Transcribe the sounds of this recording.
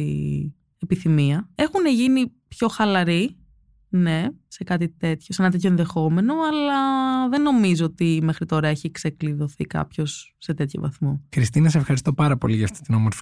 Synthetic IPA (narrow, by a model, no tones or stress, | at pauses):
i | epiθimiɐe̞xune̞ʝinipço̞xɐlɐɾi | ne̞se̞kɐt̪it̪e̞t̪çosenɐt̪et̪̬ʰçoenðe̞xo̞me̞no̞ɐlɐðe̞nːo̞mizoot̪ime̞xɾit̪o̞ɾɐeçiksekliðo̞θḭkɐ̰pço̞sːe̞t̪e̞t̪ço̰vɐ̰θmo̞xɾist̪inɐsefxɐɾist̪o̞pɐɾɐpo̞liʝɐft̪i̥t̪inomoɾfi